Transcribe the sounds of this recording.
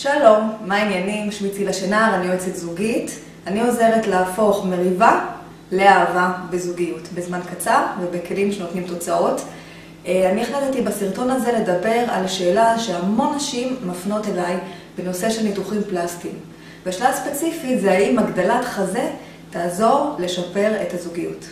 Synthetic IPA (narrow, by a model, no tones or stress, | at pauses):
ʃalo̞mːainjenimʃmit͡silaʃenaʁanioet͡setzuɡit | anio̞ze̞ʁetlaːfo̞χme̞ʁiva | le̞aːvabezuɡijutbezmankat͡saʁvebekelimʃeno̞tnimto̞t͡sao̞t | anieχlatetibasiʁto̞naze̞le̞dabe̞ʁalʃe̞ːlaʃeamo̞nːaʃimːafno̞te̞laj | b̥eno̞se̞ʃe̞lnituχimplastim | beaʃlaspet͡sifitzeaimaɡdalatχaze̞ | taːzo̞ʁle̞ʃape̞ʁe̞tazuɡijut